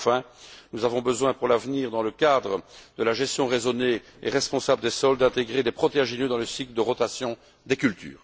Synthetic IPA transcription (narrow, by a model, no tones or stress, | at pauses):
fɛ̃ | nuzavɔ̃bəzwɛ̃puʁlavniːʁd̪ɑ̃ləkad̪ʁəd̪əlaʒɛst̪jɔ̃ʁezɔne | ḛʁɛspɔ̃sabləd̪esɔld̪ɛ̃t̪eɡʁed̪epχɔt̪eɛ̃ʒenjød̪ɑ̃ləsikləd̪əʁɔt̪asjɔ̃ | d̪ekʲylt̪ʰy̰ːʁ